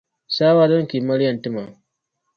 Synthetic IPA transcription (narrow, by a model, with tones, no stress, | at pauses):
saː˦waː˦dɔ˦ŋki˨mɐ˦ɽjɐ˨ntɪ˦ma˨